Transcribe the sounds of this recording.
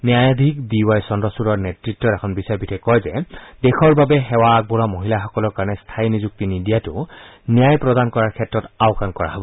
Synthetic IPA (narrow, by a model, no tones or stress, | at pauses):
nijajad̪ʱik̚diwajsɔndɔsuɹɔɹnɛtɹitːɔtɛkʰɔnbisaɹpitʰɛkɔjzɛdɛxʰɔɹbabɛɦɛwaːk̚buɹamoɦilaxɔkɔlɔɹkaɹɔnɛst̪ʰajnizuk̚tinidijatʊ | nijajpɹɔdankɔɹaɹkʰɛtɹɔtaʊkankɔɹa̰ɦɔbɔ